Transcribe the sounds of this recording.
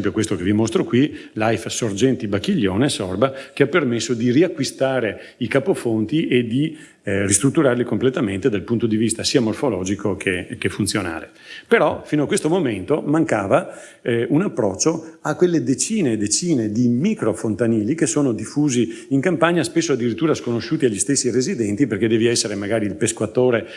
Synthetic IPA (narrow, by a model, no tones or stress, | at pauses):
mpjokwest̪okevimost̪ɾokwilajfsord͡ʒɛnt̪ibakːiʎːoːnesɔrbakeapːermesːod̪iriakːwist̪aːɾe | ikapofont̪iʔed̪i | rist̪ɾut̪ːuɾarlikomplet̪ament̪ed̪alpunt̪od̪ivist̪asiːamorfolɔːd͡ʒikokʰekefunt̪sjona̰ːle | peɾɔfiːnoakwest̪omoment̪omaŋkaːva | unapːɾɔt͡ʃːoakːwelːed̪et͡ʃiːned̪et͡ʃiːned̪imikɾofont̪aniːlikesoːnod̪ifːuːziiŋkampaɲaspesːoad̪ːiɾit̪ːuːɾaskonoʃuːt̪iaʎːist̪esːirezid̪ɛnt̪iperk̟ed̪ɛːviɛsːeɾemaɡaːɾiːlpeskwat̪oːɾe